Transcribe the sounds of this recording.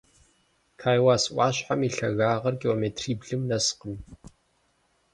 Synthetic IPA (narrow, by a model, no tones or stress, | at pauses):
kʰaːjwaːsʔʷʼɑːɕħamiɬɐɣaːʁɐrkʰʲiloːmeːtʰriːbɮɨmnɐsqən